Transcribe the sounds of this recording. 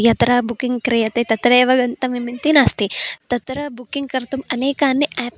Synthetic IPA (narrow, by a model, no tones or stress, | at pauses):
jɐt̪ɾɐːbukiŋɡkɾijɐt̪et̪ɐt̪ɾeːʋɐɡɐnt̪ɐmimint̪inaːst̪it̪ɐt̪ɾɐbukiŋɡ̚kɐɾt̪umɐneːkaːnːiʔɛːp